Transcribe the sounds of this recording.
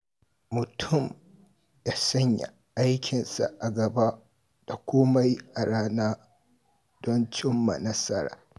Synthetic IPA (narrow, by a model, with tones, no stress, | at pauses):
mʊ˨tʰʊ˦˨m | da˨sɐ˦ɲja̰˨ | ʔa˦jkʲɪ˨nsa̰˨ʔa˨ɡɐ˨ba˦ | d̥a˨kʷoː˦ma˦ji˦ʔa˨ɽaː˦naː˦ | d̥ɔ˦nt͡ʃɪ˦mːa̰˨nɐ˦sɐ˦ɾa̰ː˨